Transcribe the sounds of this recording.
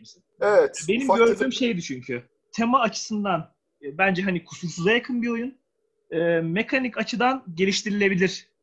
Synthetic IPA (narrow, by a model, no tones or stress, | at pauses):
msi | evɛt̪be̞nimɟøɾd̪yːmʃe̞jd̪it͡ʃʰyɲcʰy | t̪ʰe̞maːt͡ʃʰɯ̥sɯnd̪anː | bænd͡ʒɛɦanikʰu̥sulˠsuzajakʰɯnbio̞jun | ɯːme̞kʰanicat͡ʃʰɯd̪anɟe̞lʲiʃt̪iɾilʲe̞bilʲiɾ̥